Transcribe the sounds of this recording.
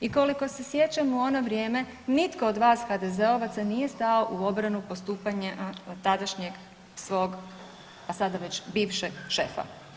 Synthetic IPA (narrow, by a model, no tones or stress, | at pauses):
iko̞liko̞se̞sje̞t͡ɕamuo̞no̞ʋɾje̞ːme̞ | nit̪ko̞od̪ʋaːsxad̪e̞ze̞o̞ʋat̪sanije̞st̪ao̞ʔuo̞bɾanupo̞st̪uːpaɲet̪ad̪aʃɲeɡ | sʋo̞ːɡ | pasad̪aʋe̞t͡ɕbiːʋʃeɡʃe̞fa̰